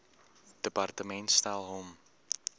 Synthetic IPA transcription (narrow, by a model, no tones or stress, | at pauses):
d̥əpartəmɛntstalˠɦom